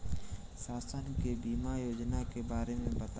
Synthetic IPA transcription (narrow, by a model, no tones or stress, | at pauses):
saːsənkebiːmajoːd͡ʒnakebaːɾemẽbɐt̪